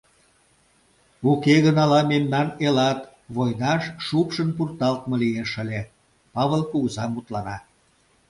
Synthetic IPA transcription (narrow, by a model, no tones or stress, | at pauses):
ukeɣənɑlɑmemnɑnelɑt̪ | βojnɑʃʃupʃənpurt̪ɑlt̪mɤlieʃə̆lʲe | pɑβəlkuɣəzɑmut̪lɑnɑ